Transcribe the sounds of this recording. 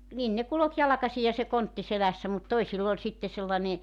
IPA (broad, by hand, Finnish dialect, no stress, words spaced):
nin ne kulok jɑlɑ̆kɑsi jɑ se kontːi selæsːæ mut toisilː olʲ sitːe selːɑne